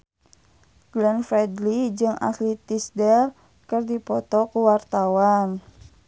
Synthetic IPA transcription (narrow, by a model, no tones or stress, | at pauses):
ɡ̥lɛnfɾɛdlid͡ʒɨŋa̰slit̪isdɛr | kərdipɔt̪ɔkuwart̪awan